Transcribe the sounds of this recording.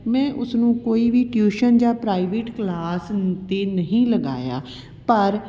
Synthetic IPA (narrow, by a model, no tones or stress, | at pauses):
mɛ̃ːʔʊsnũːkoːiːʋiːʈjuːʃənd͡ʒãːpɾaːiʋeːʈklaːst̪eːnəɦĩːləɡa̰ːja̰ː | pəɾ